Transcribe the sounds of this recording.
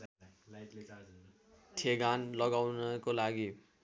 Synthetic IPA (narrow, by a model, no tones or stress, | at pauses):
lʈ | ʈʰeɡanlʌɡawnʌkolaɡi